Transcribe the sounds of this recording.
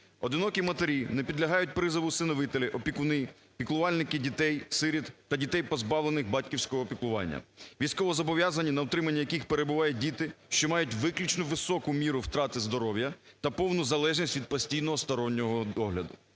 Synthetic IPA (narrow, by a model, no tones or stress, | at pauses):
ɔd̪ɪnɔkʲimɐt̪eɾʲinɛpʲid̪lʲɐɦɑjʊt̚ʲpɾɪzɪʋʊsɪnɔʋɪt̪elʲɪʔɔpʲikʊnɪ | pʲiklˠʊʋɑlʲnɪkɪdʲit̪ɛjsɪɾʲit̪ːɐdʲit̪ɛjpɔzbɑʋlenɪxbɑtʲkʲiwsʲkɔɦɔːpʲiklˠʊʋɑ̰nʲːɐ̰ʋʲijsʲkɔʋɔzɔbɔʋʲjazɐnʲːinɐɔwt̪ɾɪmɐnʲːɐjɐkɪxpeɾebʊʋɑjʊdʲit̪ɪʃt͡ʃɔmɑjʊtʲʋɪklʲit͡ʃnʊʋɪsɔkʊmʲiɾʊwt̪ɾɑt̪ɪzd̪ɔɾɔwjɐt̪ɐpɔwnʊzɐlˠɛʒnʲisʲtʲʋʲid̪̚pɔsʲtʲijnɔɦɔst̪ɔɾɔnʲːɔɦɔɔɦlʲɐd̪ʊ